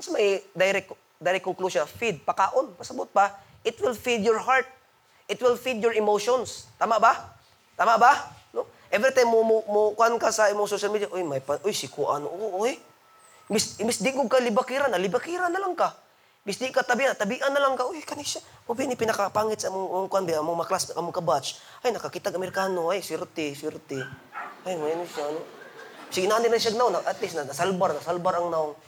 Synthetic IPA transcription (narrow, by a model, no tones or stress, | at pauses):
asamajd̪ajɾɛk | d̪ajɾɛkːʊŋkluʃafid̪̚pakaːʔonpɐsabʊt̪̚pa | ʔɪt̪wɪlfid̪jɔɹɦaɹt̪̚ | ʔɪt̪wɪlfid̪jɔɹɪmoʃonst̪aːmaʔba | t̪aːmaʔbano | ʔɛvɾit̪ajmːomʊmokankasɐɛmosoʃalmid̪jaʔojmajpaʔojsɪkuʔa̰noʔoj | mbismbisd̪ɪɡʊɡ̚kalibakiɾanalibakiɾanalaŋka | mbisd̪ɪkat̪abiʔanat̪abiʔanːalaŋkaojkaniʃamobjanipɪnakapaŋɪt̪samʊŋamʊŋkwanbiaamʊŋmklasʔamʊŋkabat͡ʃ | ʔajnakakit̪aɡamɪrkanoajsiɾt̪ɪsiɾt̪ɪ | ajmajanusanosiɡinaninanʃ̬aɡ̚naʊnaat̪lɪs̬nanasalbaɾnasalbaɾaŋnaʊŋ